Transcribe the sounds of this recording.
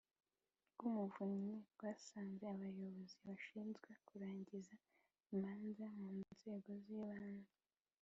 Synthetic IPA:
ɡ̥umuvuɲeɡwaːsaːnze̞aβajo̞βo̞ziβaʃiːnzɡwe̞kuɾaːɲɟiza | imaːnzamuːnnz̥e̞ːɡo̞ziːβaːnza

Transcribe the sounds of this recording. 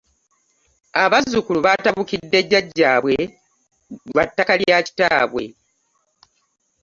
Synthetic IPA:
aβazːukuluβataβukidːe̞ɟːaɟːaːβwe̞ | βatːakaljaːci̥taːβwe̞̰

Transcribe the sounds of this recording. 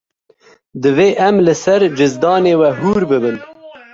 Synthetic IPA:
d̪ɨveːʔamləsaɾd͡ʒɪzd̪ɑːneːwaɦuːɾbɨbəl

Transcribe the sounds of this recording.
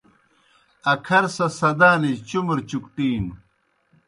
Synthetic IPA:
ɐkʰɐɾsɐsɐd̪aːnid͡ʑt͡ɕumɾt͡ɕukʈiːn

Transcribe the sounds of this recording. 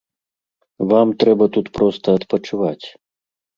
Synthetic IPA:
vamt̪ɾɛbɐt̪ut̪pɾɔst̪ɐːt̪pɐt͡ʂuvat͡sʲ

